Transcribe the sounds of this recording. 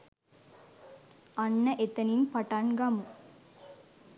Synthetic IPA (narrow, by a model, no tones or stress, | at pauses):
ɐnːɐʔet̪ɐninpɐʈanɡɐmu